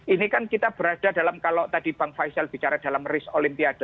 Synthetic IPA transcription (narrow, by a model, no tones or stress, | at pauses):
ʔinikankit̪ab̥əɾad̥a̤dalamkalɔʔt̪ad̥ib̥aŋkfajsalb̥it͡ʃaɾad̥alamrɪsolimpiad̥o